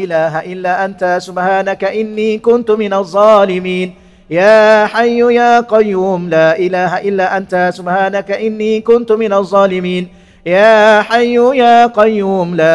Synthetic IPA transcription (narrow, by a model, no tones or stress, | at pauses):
ʔɪlaːɦaʔɪlːaːʔant̪asʊbħaːnakaʔɪnːiːkʊnt̪ʊmɪnaðˤːɑːlɪmiːn | jaːħajːʊjaːqɑjːuːmlaːʔɪlaːɦaʔɪlːaːʔant̪asʊbħaːnakaʔɪnːiːkʊnt̪ʊmɪnaðˤːɑːlɪmiːn | jaːħajːʊjaːqɑjːuːmlaː